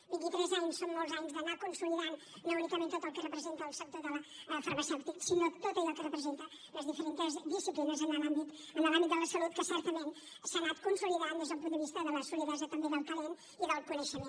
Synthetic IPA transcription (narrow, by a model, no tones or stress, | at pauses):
bĩnt̪it̪ɾezaɲusõw̃nozaɲuzðɐnakõnsulˠiðanu | nɐ̃unikɐmẽnt̪ot̪ɐlˠkɨrɨpɾɨzẽnt̪ɐlsɛp̚t̪oðɐlɐfɐɾmɐsɛwt̪iksinoðt̪ot̪ɐilakɨrɨpɾɨzẽnt̪ɐ | nɐzðifəɾẽnt̪ɐzðisiplinɐzɐ̃nɐlãmbit̪uɐnɐlãmbit̪ɐlɐsɐluðkɨsɛɾt̪ɐmẽnt̪ | sanaðkõnsulˠiðaðuðezðũpũt̪d̪ɨviʃt̪ɐðɐlɐsulˠiðaʒɛt̪ɐ̃md̪iðalˠk̪ɐlen | iɐðalˠd̪̚kuneʃɐmẽ